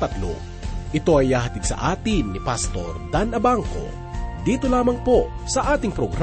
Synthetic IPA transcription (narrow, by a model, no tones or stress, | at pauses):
t̪ɐt̪lo̰ | ʔɪt̪o̞ʔɐjːaːhɐt̪id̪sɐ̰ʔaːt̪ɪnːɪpast̪o̞ɾd̪anɐbaŋko̞̰ | d̪iːt̪olaːmɐŋpo̞sɐʔaːt̪ɪŋpɾoɡɾ